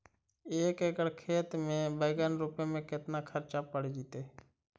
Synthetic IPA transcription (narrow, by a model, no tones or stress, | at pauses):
eːkeːkəɽkʰeːt̪mẽbəɪɡənɾuːpemẽkɪt̪nakʰəɾt͡ʃapəɽ̤d͡ʒiːt̪eː